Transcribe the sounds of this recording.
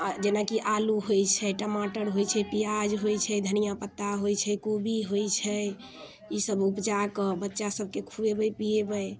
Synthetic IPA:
d͡ʒenakiʔaluɦojt͡ʃʰɛʈəmaʈəɾɦojt͡ʃʰɛpijad͡ʒɦojt͡ʃʰɛd̪ʱənijapət̪ːaɦojt͡ʃʰɛkobiɦojt͡ʃʰɛ | isəbupd͡ʒakɔbətːʃasəb̚ʱkekʰuebəjpiebəj

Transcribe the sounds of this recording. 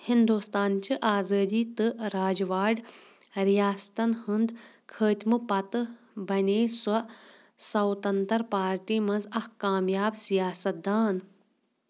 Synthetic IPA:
hind̪uːst̪aːnt͡ʃiʔaːzəːd̪iːt̪ɨɾaːd͡ʒʋaːɖ | ɾijaːst̪ɐnhɨnd̪kʰəːt̪ʲmɨpɐt̪ | bɐneːsɐ | sɐwt̪ɐnt̪ɐɾpaːɾʈiːmɐnzɐhkaːmjaːbsijaːsɐt̪̚d̪aːn

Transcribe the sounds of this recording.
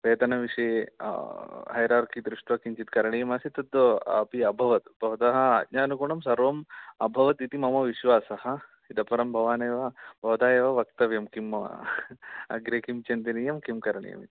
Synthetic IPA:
ʋeːt̪ɐnɐʋiʂḭ | ɦɐjɾaːɾkʰid̪ɾuʂʈʋɐkiɲt͡ʃit̪kɐɾɐɳijɐmɐsit̪ɐd̪ɐ̰piɐbʱɐʋɐt̪bʱɐʋt̪ɐɦɐ̆ɐd̪ɲaːnɐkuɳɐmsɐɾʋɐmɐbʱɐʋɐt̪it̪imɐmɐʋiʃʋaːsɐhɐ̆ | id̪ɐpɐɾɐmbʱɐʋaːnɐːʋɐbʱɐʋɐd̪aːjɐʋɐʋɐk̚t̪ɐʋjɐmkim | ɐ̰ɡɾeːkimt͡ʃɐnt̪inijɐmkimkɐɾɐɳḭjɐ̰mit̪

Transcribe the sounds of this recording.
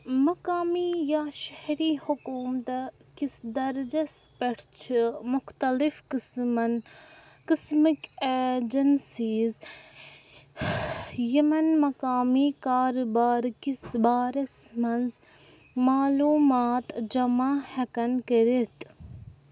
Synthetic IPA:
mɐkaːmijaːʃɐhɾiːhʊkuːmt̪kisd̪ɐɾd͡ʒɐspɐʈʰt͡ʃʰimʊxt̪ɐlifkɨsmɐn | kɪsmiked͡ʒɐnsiːz | jɐmɐnmɐkaːmiːkaːɾbaːɾkisbaːɾɐsmɐnz | maːluːmaːt̪d͡ʒɐmaːhɐkɐnkəɾit̪

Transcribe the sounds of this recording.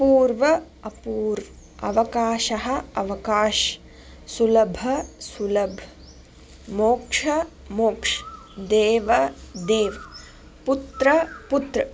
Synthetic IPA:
puːɾʋɐ | ɐpuːɾ | ɐ̰ʋɐkaːʃɐɦɐ̆ɐʋɐkaːʃ | sulɐbʱɐsulɐbʱ | moːkʂɐ | moːkʂ | d̪eːʋɐd̪eːʋɐ | put̪ɾɐput̪ɾɐ

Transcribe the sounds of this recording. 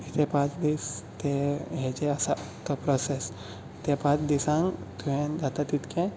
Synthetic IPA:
it̪epãt͡ʃd̪ist̪eɦed͡ʒeəsak̪apɾɔses | it̪epãt͡sd̪isãŋɡt̪uɦẽd̪at̪at̪it̪kʰẽ

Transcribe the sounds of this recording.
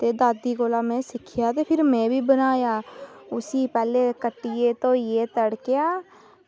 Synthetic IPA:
t̪eːd̪aːd̪iːkoːlaːmɛ̃ːsɪkʰːɪjaːt̪eːpʰɪɾmɛ̃ːbiːbənaːjaːʊsiːpɛːleːkəʈːiːeːt̪õːjeːt̪əɽkejaː

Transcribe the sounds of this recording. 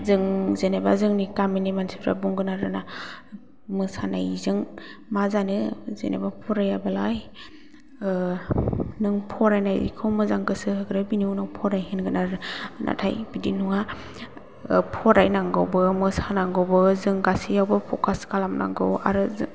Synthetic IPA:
zɯŋzenebazɯŋnikaminimansiɾa̰buŋɡɯnaɾɯna | mɯsanajzɯŋmazanɯzḛnḛbapʰɔɾajabalaj | nɯŋpʰɔɾajnajḭkʰɯwmɯzaŋɡɯsɯɦɯɡɯɾɯbiniwnawpʰɔɾajhenɡɯnaɾɯna̰tʰajbidinuŋa | pʰɔɾajnaŋɡɯwbɯmɯsanaŋɡawbɯzɯŋɡasijawbɯpʰɔkʰaskalamna̰ŋɡɯ̰wa̰ɾɯz

